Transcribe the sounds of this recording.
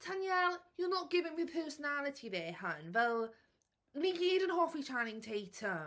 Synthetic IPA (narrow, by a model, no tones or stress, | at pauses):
tʰanjɛlˠjənəʔ̚ɡ̥ɪvɪ̃ŋməpʰɜˑsənalətʰiðəhʌ̃nvɛlˠ | mikiɾə̃nɦɔˑfit͡ʃʰãɪ̃nɪ̃ŋtʰitʰə